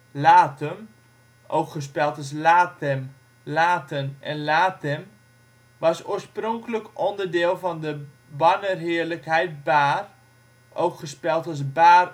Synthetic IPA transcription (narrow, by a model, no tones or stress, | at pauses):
laːtəm | ʔowkχəs̬pɛlˠtɔs̬laːtɛm | laːtʰənɛ̰nlaːtɛm | ʋɑsoːəsproŋkələkʔɔndərdɪːlˠfɔndə | bɑnərɦɪərləkɦɛjt̚baːr | ʔowkχəspɛlˠtɔs̬baːr